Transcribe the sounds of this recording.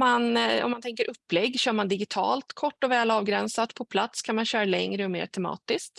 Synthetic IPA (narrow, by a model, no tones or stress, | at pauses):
manɔ̰mːant̪ʰɛŋkəɾʔɵpːlɛɡːɕœːɾmand̪ɪɡɪt̪ʰɑ̰ːlt̪kʰɔʈːɔvɛːlɑːvɡɾɛnsat̪pʰɔpʰlat̪skʰanmanɕœːɾalɛŋɾəɔmḛːʈʰɛmɑ̰ːt̪ɪskt̪